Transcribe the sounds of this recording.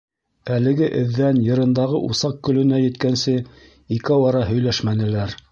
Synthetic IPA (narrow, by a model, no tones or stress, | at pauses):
ælɘ̆ɡɘʔɘ̆ðːænjɤ̆ɾɤ̆nd̪ɑʁɤʔusɑq̚kːɵ̆lɵ̆næjɘ̆t̪kænsɘ | ikwɑɾɑɦɵ̆jlæʃmænɘ̆læɾ